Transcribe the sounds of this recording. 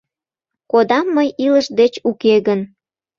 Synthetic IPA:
kod̪ɑmːəjiləʃd̪et͡ɕukeɣən

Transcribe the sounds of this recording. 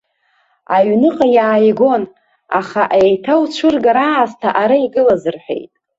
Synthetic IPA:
aɥnɨqʼajaːjɡo̞n | a̰χaʔejtʰawt͡ʃʷʰɨrɡaɾaːztʰaʔaɾaiɡɨlazɨrħʷᶣḛjtʼ

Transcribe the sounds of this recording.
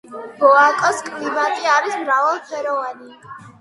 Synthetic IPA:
bɔakʼɔskʼlibat̪ʼiaɾismɾavalˠpʰɛɾɔvani

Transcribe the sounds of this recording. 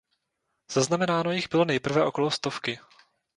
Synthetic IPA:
z̥aznamɛnaːno̞jɪɣbɪlo̞nɛjpr̩vɛʔo̞ko̞lo̞st̪ofkɪ

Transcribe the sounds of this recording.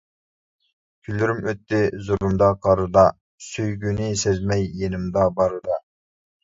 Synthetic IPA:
kʲʰylːyɾymøt̪ːɪzuɾumd̪ɑqʰɑɾɨd̪ɑ | søjɡʲynɪsezmɛjːenɪmd̪ɑbɑɾɨd̪ɑ

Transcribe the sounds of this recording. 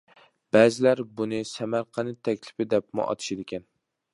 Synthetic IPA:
b̥æːzɪlæɾbunɪsɛmæɾqʰɑnɪt̪ʰɛkʲlɪ̥pɪd̪ɛp̚mʊ̰ʔɑ̰t̪ʰɨ̥ʃɪd̪ɪkʲɛn

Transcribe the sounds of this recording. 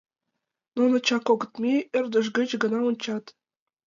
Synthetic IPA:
nunɤ̆t͡ɕɑkoɡɤ̆t̪mʲiɘ̆rd̪ə̆ʃ̬ɡə̆t͡ɕɡɤ̆nɑunt͡ɕɑt̪

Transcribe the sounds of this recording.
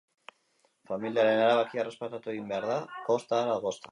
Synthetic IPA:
familiaɾe̞naɾaβakiarespat̪at̪ue̞ɣimbe̞aɾðako̞st̪aːɾaðɣo̞st̪ḁ

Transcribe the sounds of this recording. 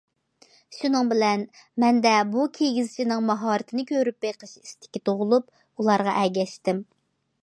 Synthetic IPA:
ʃynɨŋbɪlɛn | mɛnd̪ɛbukʲʰeɡʲizɪt͡ʃʰinɨŋmɑɦɑːɾɨt̪ʰɪnɪkʲʰøɾypbeqʰəʃist̪ʰɪ̥kʲːit̪ʰoʁʊlˠup | ulˠɑɾʁɑʔɛɡʲɛʃt̪ɪm

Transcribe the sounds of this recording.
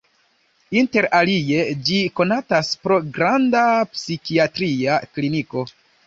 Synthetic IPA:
inte̞ɾalie̞d͡ʒiko̞nataspɾo̞ɡɾandapsikiatɾiakliniko̞

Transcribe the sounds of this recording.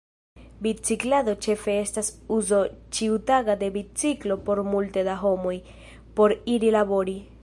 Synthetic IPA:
bit͡siklado̞t͡ʃe̞fe̞estasuzo̞t͡ʃiutaɡade̞bit͡siklo̞po̞ɾmultedaɦo̞mo̞j | po̞ɾiɾilabo̞ɾi

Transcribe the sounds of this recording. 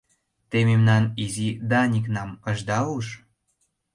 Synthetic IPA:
t̪ememnɑnizid̪ɑnʲik̬nɑməʒd̪ɑuʃ

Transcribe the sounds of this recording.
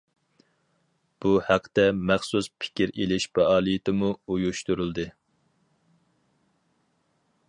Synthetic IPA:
b̥uhæqʰːə̥t̪ɛmæχsuspʰɪ̥kʲiɾelɪʃbɛɑːlˠijɪt̪ɪmuujuʃt̪uɾɨlˠd̪ɨ

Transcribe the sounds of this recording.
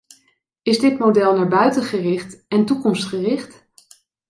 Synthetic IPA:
ɪzdɪtmodɛlˠnaːɹbœɥtənχərɪχtɛntukɔmstχərɪχt

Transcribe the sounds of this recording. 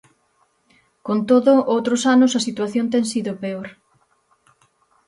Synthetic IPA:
kont̪oðʊʔowt̪ɾʊsanʊsɐsit̪waθjont̪̬ɛŋsiðʊpeoɾ

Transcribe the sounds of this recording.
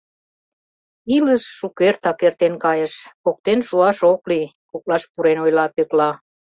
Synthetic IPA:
iləʃːukert̪ɑkert̪enkɑjĕʃok̚t̪enʃuɑʃokli | kok̚lɑʃpuɾenojlɑpøklɑ

